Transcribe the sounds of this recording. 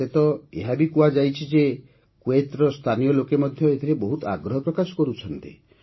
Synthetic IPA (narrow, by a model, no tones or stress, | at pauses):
et̪ɔḛɦabikuad͡ʒajt͡ʃʰid͡ʒe | kwet̪ɾɔst̪ʰanijɔlokemɔd̪ʱjɔet̪ʰiɾebɔɦut̪a̰ɡɾɔɦɔpɾɔkasɔ̥kɔɾut͡ʃʰɔnt̪ḭ